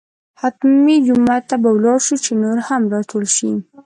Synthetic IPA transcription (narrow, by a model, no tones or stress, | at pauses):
hat̪mid͡ʒʊmat̪ːabawlɑɾʃut͡ʃenoɾhamɾɑʈʰolʃi